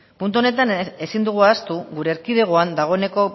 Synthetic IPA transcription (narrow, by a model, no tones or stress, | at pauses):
punt̪̬uo̞ne̞t̪ane̞sind̪uɣ̞uast̪uɣuɾe̞ːɾkið̞e̞ɣ̞oand̪aɣ̞o̞ene̞ko̞